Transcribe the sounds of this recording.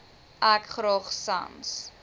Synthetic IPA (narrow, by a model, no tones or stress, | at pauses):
ʔækχɾɔχsɐ̰ns